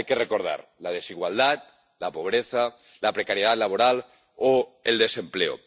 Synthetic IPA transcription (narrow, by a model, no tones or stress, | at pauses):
jkerekoɾð̞a̰ɾlað̞esiɣwald̪at̪̚ | lapoβ̞ɾeθa | lapɾekaɾjeð̞at̪laβoɾal | oeld̪ese̞mpleo̰